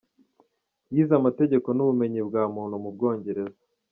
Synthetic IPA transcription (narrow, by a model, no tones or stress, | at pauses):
jiːzamate̞ɟe̞ko̞nuβume̞ɲibɡaːmuːnhumub̚ɡo̞ːɲɟe̞ɾe̞za